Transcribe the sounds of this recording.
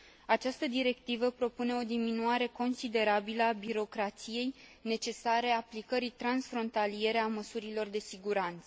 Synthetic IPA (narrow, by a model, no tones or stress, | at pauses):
at͡ʃast̪əd̪iɾe̞kt̪ivəpɾo̞pune̞o̞d̪iminuaɾe̞ko̞nsid̪e̞ɾabiləabiɾo̞kɾat̪sije̞jne̞t͡ʃe̞saɾe̞aplikəɾit̪ɾansfɾo̞nt̪alije̞ɾeaməsuɾilo̞rd̪e̞siɡuɾant̪sə